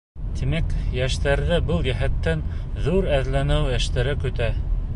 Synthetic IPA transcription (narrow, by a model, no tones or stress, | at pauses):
t̪imækjæʃt̪æɾðɘbɤlˠjæɦæt̪ːæn | ðuɾæðlænɘwjæʃt̪æɾɘkɵ̆t̪æ